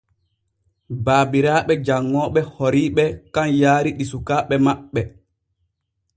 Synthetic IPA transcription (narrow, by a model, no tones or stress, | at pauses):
baːbiɾaːɓɛd͡ʒaŋːɔːɓɛhoɾiːɓɛkanjaːɾiɗisukaːɓɛmaɓːɛ